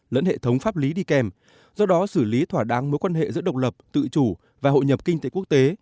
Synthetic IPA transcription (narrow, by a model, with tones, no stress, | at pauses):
lə̰˧˥nhḛ˧˨t̪ʰə˨˦wŋ͡mfaː˦˥p̚li˨˦ɗi˧kɛ˨˩m | zɔ˧ɗɔ˨˦sɨ˧˩li˨˦t̪ʰwaː˧˩ɗa˨˦ŋmo˨˦jkwaː˧nɦḛ˧˨zɨ̰˧˥ɗə˨˩wk͡p̚lə˨˩p̚t̪ɨ̰˧˨t͡ɕu˧˩ | vaː˨˩ɦo̰˧˨ɲə˨˩p̚kï˧ŋ̟t̪e˨˧˦ku˦˥ək̚t̪e˨˦